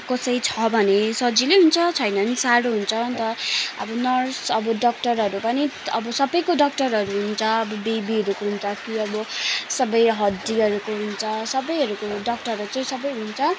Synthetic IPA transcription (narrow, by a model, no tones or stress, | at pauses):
kʌsʌjt͡sʰʌbʱʌnesʌd͡zileɦunt͡sʰʌt͡sʰʌjnʌnsaɽoɦunt͡sʰʌt̪ʌʌ̰bʌnʌrsʌbʌɖʌk̚ʈʌrɦʌɾupʌniʌbʌsʌbʌjkoɖʌk̚ʈʌrɦʌɾuɦunt͡sʰʌʌbʌbebiɦʌɾukoɦunt͡sʰʌkiʌbʌsʌbʌjɦʌd̪iɦʌɾukoɦunt͡sʰʌsʌbʌjɦʌɾukoɖʌk̚ʈʌɾut͡sʌj̃sʌbʌjɦunt͡sʰʌ